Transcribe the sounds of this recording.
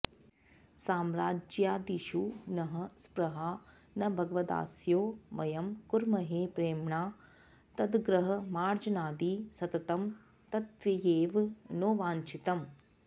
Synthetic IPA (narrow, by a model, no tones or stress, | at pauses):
saːmɾaːd͡ʒjaːd̪iʃunɐɦɐspɾɐɦaː | nɐbʱɐɡɐʋɐd̪a̰ːsjoːʋɐjɐmkuɾmɐɦeːpɾeːmɳaː | t̪ɐd̪ɡɾɐɦɐ̆maːɾd͡ʒɐnaːd̪iːsɐt̪ɐt̪ɐm | t̪ɐt̪ʋɐjeːʋnoːʋaːɲt͡ʃit̪ɐm